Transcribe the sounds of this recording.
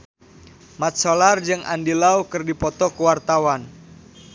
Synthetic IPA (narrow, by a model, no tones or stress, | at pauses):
mat̪̚solard͡ʒɨŋʔa̰ndilaukərdipɔt̪ɔkəwart̪awan